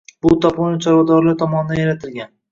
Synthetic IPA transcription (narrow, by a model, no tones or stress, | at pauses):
bʊt̪ʰɒpʊnɪt͡ʃʰaɾɒd̪ɒɾlaɾt̪ʰɒmɒnɪd̪anjaɾat̪ʰɪlɡʲan